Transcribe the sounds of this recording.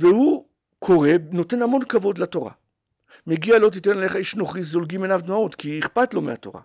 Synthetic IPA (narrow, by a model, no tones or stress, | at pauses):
vehu | kʰo̞ʁe̞no̞te̞nhamo̞nkavo̞d̪lato̞ʁa̰ | meɡialo̞t̪̬itenale̞χaiʃnoχizolɡimenavd̪maot̪kiiχpatlo̞meato̞̰ʁa̰